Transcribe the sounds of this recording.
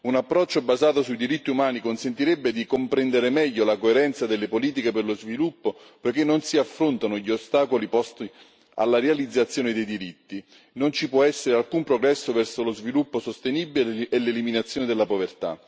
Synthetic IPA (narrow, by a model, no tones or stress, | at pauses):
unapːɾɔt͡ʃːobazaːt̪osuid̪iɾit̪ːiumaːnikonsent̪iɾɛbːed̪ikompɾɛnd̪eɾemɛʎːolakoeɾɛnt̪sad̪elːepoliːt̪̬ikeperlozvilupːo | pojk̟enːonsiafːɾont̪anoʎiost̪aːkolipɔst̪i | a̰lːaɾealid̪zat̪sjoːned̪ejd̪iɾit̪ːi | nont͡ʃipwɔɛsːeɾealkumpɾoɡɾɛsːovɛrsolozvilupːosost̪enibilːlːeliminat̪sːjoːned̪elːapovert̪a̰